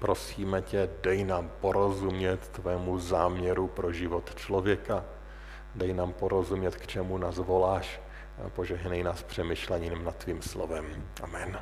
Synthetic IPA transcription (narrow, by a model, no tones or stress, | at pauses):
pɾo̞siːmɛcɛdɛjnaːmpo̞ɾo̞zumɲɛt̪ːvɛːmuzaːmɲɛɾupɾo̞ʒɪvo̞t̪t͡ʃlo̞vjɛka | dɛjnaːmpo̞ɾo̞zumɲɛt̪kt͡ʃɛmunaːzvo̞laːʃ | po̞ʒɛɦnɛjnaːspr̝̥ɛmɪʃlɛɲɪnmnat̪ːviːmslo̰vɛmʔa̰mɛn